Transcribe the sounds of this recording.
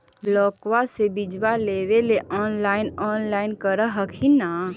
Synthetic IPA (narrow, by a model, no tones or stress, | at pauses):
blɔːkwasebɪd͡ʒwaleːweleʔɔːnlaːɪnɔːnlaːɪnkəɾəɦəkʰina